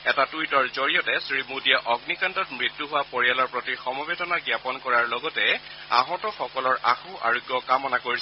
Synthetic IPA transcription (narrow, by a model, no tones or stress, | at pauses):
ɛtatujtɔɹzoɹiɔtɛsɹimudiaʔɔɡnikantɔtmɹitːuɦʊwapoɹijalɔɹpɹotixɔmɔbedɔnaɡjapɔnkɔɹaɹlɔɡɔtɛ | a̰ɦɔtɔxɔkɔlɔɹʔa̰xuʔa̰ɹoɡjɔkamɔnakoɹisɛ